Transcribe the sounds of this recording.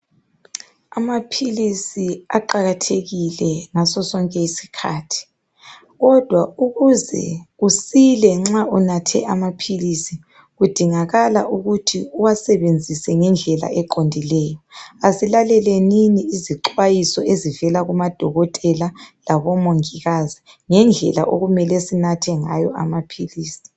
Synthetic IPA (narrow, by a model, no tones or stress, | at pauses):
amapʰilisiaǃaɣatʰeɣilɛŋasɔsɔŋkʼɛisi̥kʰa̰ːtʰi̥ | ɣɔd̥ʱwauɣuzɛ̰ɣusilɛŋ͡ǁaunatʰɛ̰ʔamapʰilisi | ɣud̥ʱiŋaɣala̰ʔuɣutʰiuwasɛβend͡zʱisɛŋɛnd͡ɮʱɛla̰ɛǃondʱilɛːjɔasilalɛlɛniniːziǃwajisɔʔezivɛlaɣumad̥ʱɔɣɔtʼɛlalaβɔmoŋiɣazi | ŋɛnd͡ɮʱɛ̰la̰ʔoɣumɛlɛsinatʰɛŋajɔ̰ʔamapʰiliːsi̥